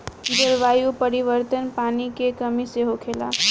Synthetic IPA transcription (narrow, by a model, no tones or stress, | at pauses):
d̪əɾʋaːjupəɾiʋəɾt̪ənpaːnikekəmiseɦokʰeːla̰ː